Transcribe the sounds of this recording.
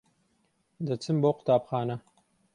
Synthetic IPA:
d̪ɐt͡sʰɨmbowqʊ̥t̪aːbxaːnɐ

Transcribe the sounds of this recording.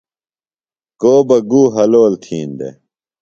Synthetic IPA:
koːbɐɡuːɦɐloːlt̪ʰiːnd̪ḛ

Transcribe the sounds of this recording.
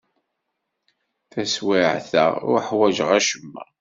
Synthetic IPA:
θæswiʕθə̰ʊ̰ɾħwæʒəʁæʃəmːæ̰

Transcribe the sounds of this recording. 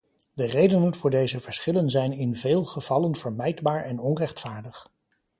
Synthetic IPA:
dərejdənənv̥ʊːɹdejzəvəɹsχɪlənzɛjnɪnveːlˠχəv̥ɑlənvəɹmɛjdbaːɹɛnɔnrɛχtfaːɹdəχ

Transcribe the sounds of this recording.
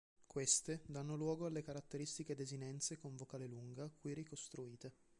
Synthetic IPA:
kwest̪ed̪anːolwɔːɡoalːekaɾat̪ːeɾist̪iked̪ezinɛnt̪sekoɱvokaːleluŋɡakuirikost̪ɾuiːt̪e

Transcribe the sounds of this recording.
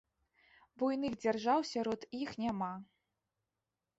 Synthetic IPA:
bujnɨxd͡zʲarʐawsʲaɾɔt̪ixnʲama

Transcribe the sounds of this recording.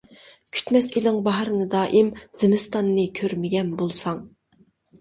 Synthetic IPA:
kʲʰy̥t̪mɛsilɪŋbɑɦɾɨnɨd̪ɑːʔimz̥ɪmɪst̪ɑnːɨkʲʰøɾmɪɡʲɛnbolˠsɑŋ

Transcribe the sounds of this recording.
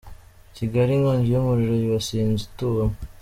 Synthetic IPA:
ciɡaɾiŋoɲd͡ʒijomuɾiɾojiwasiːnzutuwam

